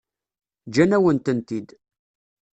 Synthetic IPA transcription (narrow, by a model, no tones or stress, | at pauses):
d͡ʒænæwənt̪ənt̪id̪